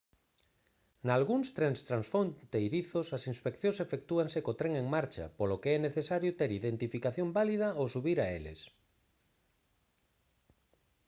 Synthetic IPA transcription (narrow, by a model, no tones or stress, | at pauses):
nalɣuŋst̪ɾeŋst̪ɾansfont̪ejɾiθosasinspekθjõnsefekt̪uaŋsekot̪ɾeŋeŋmaɾt͡ʃɐ̰polokeɛneθesaɾjʊt̪eɾiðent̪ifikaθjombalið̞ɐosuβiɾaelḛs